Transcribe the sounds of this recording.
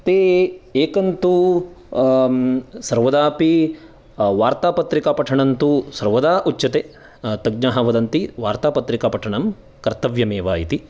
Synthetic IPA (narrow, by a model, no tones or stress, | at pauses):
t̪eːeːkɐnt̪u | sɐɾʋɐd̪aːpi | ʋaːɾt̪aːpɐt̪ɾikaːpɐʈʰɐɳɐnt̪usɐɾʋɐd̪aːʔut͡ʃːt͡ʃːɐt̪eː | t̪ɐɡnaːɦɐʋɐd̪ɐnt̪iʋaːɾt̪aːpɐt̪ɾikaːpɐʈʰɐɳɐm | kɐɾt̪ɐʋjɐmeːʋaːjit̪i